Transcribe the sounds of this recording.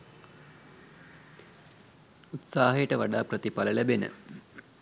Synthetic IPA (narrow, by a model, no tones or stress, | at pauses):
ut̪saːɦɐjəʈəʋaɖaːprɐt̪ipaləlæbenə̰